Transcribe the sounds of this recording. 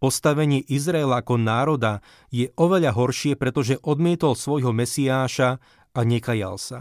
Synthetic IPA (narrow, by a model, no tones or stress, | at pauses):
pɔst̪aʋɛɲɪɛʔizɾaɛlaakɔnaːɾɔd̪a | jɛʔɔʋɛʎaɦɔɾʃɪɛpɾɛt̪ɔʒɛʔɔd̪mɪɛt̪ɔlsʋɔjɦɔmɛsiaːʃa | aɲɛkaja̰lsa